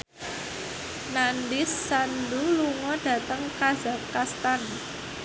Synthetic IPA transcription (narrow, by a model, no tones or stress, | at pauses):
nandɪsːanduluŋɔɖ̥ä̤t̪əŋkaz̥a̤kkast̪an